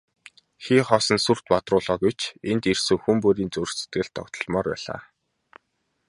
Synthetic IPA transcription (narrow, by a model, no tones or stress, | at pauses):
xiːχɔːsɞ̆nsur̥t̪pat̪rʊːɮɔːɡut͡ɕent̪irsɘ̆ŋxumpuɾiːnt͡sɵrse̥t̪ɡɘ̆ɮt̪ʰːɔ̰kt̪ɞ̥̆ɮmɔːrpæ̰ːɮa̰ː